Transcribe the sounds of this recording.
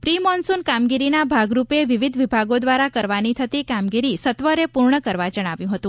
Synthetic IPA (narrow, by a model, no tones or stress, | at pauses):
pɾimɔnsunkamɡiɾinabʱaɡɾupeʋiʋid̪ʱʋibʱaɡod̪ʋaɾakəɾʋanit̪ʰət̪ikamɡiɾisət̪ʋəɾepuɾɳəkəɾʋad͡ʒəɽ̃aʋjũɦət̪ũ